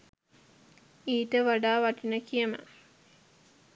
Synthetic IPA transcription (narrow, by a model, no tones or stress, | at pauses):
iːʈəʋaɖaːʋaʈinəkijəmə̰